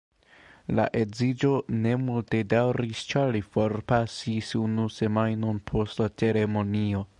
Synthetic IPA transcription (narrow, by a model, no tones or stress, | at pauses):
la̰ʔe̞zid͡ʒo̞ne̞multe̞dawɾist͡ʃalifo̞ɾpasisunuse̞majno̞npʰo̞stlat͡se̞ɾe̞mo̞nio̞